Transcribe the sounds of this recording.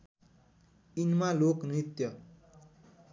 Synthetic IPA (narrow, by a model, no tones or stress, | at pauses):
inmaloknit̪jʌ